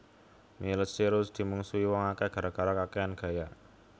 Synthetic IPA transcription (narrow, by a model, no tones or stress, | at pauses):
miləsiɾʊsd̪̥i̤muŋsuiwɔŋakɛɡ̥a̤ɾaɡ̥a̤ɾakakɛanɡ̥a̤ja